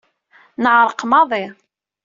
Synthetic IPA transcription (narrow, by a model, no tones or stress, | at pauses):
nəʕɾˤəqmɑðˤi